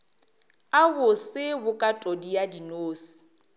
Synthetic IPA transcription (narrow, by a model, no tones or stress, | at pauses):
aɣʊsɪbʊkʼatʼodijadinoːsi̥